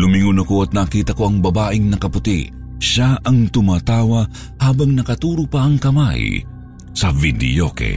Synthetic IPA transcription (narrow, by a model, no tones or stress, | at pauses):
lʊmɪŋʊnɐkoɐt̪̚nakiːt̪ɐko̞ʔɐŋbɐbaːʔɪŋnɐkɐpʊt̪ḭʔ | ʃaʔɐŋt̪ʊmaːt̪aːwɐ | haːbɐŋnɐkɐt̪uːɾʊpɐʔɐŋkɐma̰j | sɐvid̪ɪ̰jo̰kɛ̰